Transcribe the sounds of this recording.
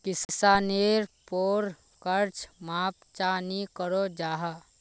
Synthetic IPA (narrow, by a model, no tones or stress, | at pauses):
kɪssaːneɾpoːɾ | kəɾt͡ʃmaːp̚t͡ʃanikəɾod͡ʒaːɦə